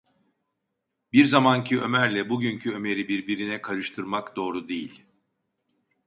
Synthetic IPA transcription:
biɾzamancʰiø̞mæɾlʲɛbuɟyncʰyøme̞ɾibiɾbiɾinɛkʰaɾɯʃt̪ʰɯɾmakd̪o̞ːɾud̪ejilʲ

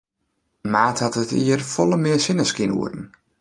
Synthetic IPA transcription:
maːthɑtətʰḭːərfɔlˠəmɪəsɪnəskinṵərdn̩

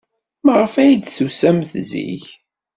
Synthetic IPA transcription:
məʁəfæjd̪θusæmθzḭç

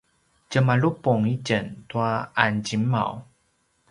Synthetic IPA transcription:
cəmaɭupuŋiɟəntuaand͡ʑima̰w

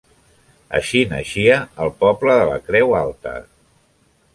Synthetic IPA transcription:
ə̰ʃinə̰ʃiəːlˠpɔpləðələ̰kɾɛwalˠt̪ə̰

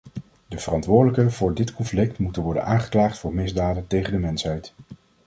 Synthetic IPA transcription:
dəv̥ərɑntʋʊːɹdələkəvʊːɹdɪtkɔnflɪk̚tmutənʋɔɹdə̰nʔaːŋχə̥klaːχtfʊːɹmɪzdaːdəntejχəndəmɛnsɦɛjt

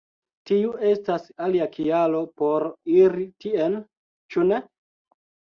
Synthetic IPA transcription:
tiue̞stasaliakʰialo̞po̞ɾiɾitien | t͡ʃune̞

